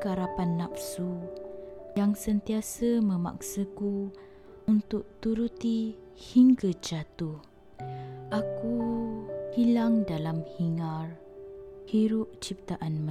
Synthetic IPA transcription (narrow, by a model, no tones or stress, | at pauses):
kəaɾapanːapsu | jaŋsənt̪iasəmə̃ma̰k̚səku | unt̪ʊk̚t̪uɾut̪i | hiŋɡəd͡ʒat̪uh | ʔaku | hilaŋdalamhiŋar | hiɾuʔ̚t͡ʃip̚t̪aʔanmə